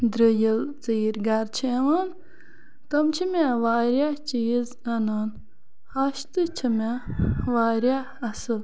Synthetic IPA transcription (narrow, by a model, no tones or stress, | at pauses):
d̪ɾəjilt͡siːɾɡaɾt͡ʃʰeːʋaːn | t̪ɐmt͡ʃʰimaːʋaːɾʲjaːt͡ʃiːz | ɐnaːn | hɐʃt̪ɨt͡ʃʰimaʋaːɾja | ɐsɨl